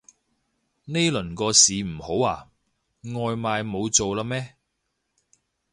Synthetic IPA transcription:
ne˥lɵ˨˩nkɔː˧siː˨m̩˨˩ho˨˥waː˨˩ | ŋɔː˨˧jmaː˧jmo˨˧wt͡so˨wlaː˧mɛː˥

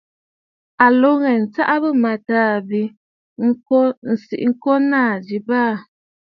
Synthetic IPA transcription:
a˨lo˦ŋɛ˨n̩˨t͡sa˦ʔa˦bə˦˨ma˨taː˦˨bi˦ | ŋ̩˦o˦n̩˨sḭ˨ʔŋ̩˦kɔ˦naː˦˨d͡ʒi˨˦baː˦˨

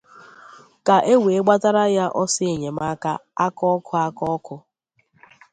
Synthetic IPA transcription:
ka˨ʔe˦we˨e˦ɡ͡ba˦ta˦ɾa˦ja˦ʔɔ˦sɪ˦e˨ɲe˨ma˦ka̰˦a˦kɔ˦kʰʊ˦a˦kɔ˦kʊ˦

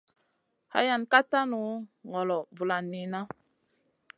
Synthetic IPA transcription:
ha̰˦ja˨nka˦ta˦nu˨˦ŋɔ˨lɔ˨vu˨la˨nːi˨na˦

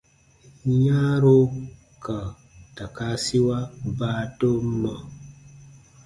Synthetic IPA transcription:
ɲa˦ɾo˦ | ka˨ | ta˨ka˦si˦wa˦baː˦to˦ma˨

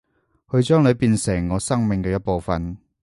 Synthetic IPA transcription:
kʰɵ˧ɥt͡ʃœː˥ŋlɵ˨˧ɥpiː˧nsɪ˨˩ŋːɔː˨˧sɐ˥ŋmɪ˨ŋkɛː˧jɐ˥t̚po˨˧wfɐ˨n

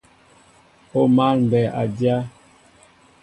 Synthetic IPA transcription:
o˦ma˦lm̩˨bɛ˨a̰˨dja˦

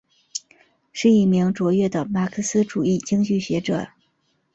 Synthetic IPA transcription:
ʂɻ̩˥˧i˥˩mi˧˥ŋʈ͡ʂwɔ˧˥ɥɛ˥˩d̪ə˩ma˨˩kʰɤ˥˩sɹ̩˥ʈ͡ʂu˨˩i˥˩t͡ɕi˥ŋt͡ɕy˥˩ɕɥɛ˧˥ʈ͡ʂɤ̰˨˩˦

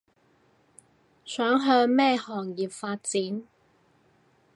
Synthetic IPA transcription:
sœː˨˥ŋɦœː˧ŋmɛː˥˧hɔː˨˩ŋjiː˨p̚faː˧t̚t͡siː˨˥n

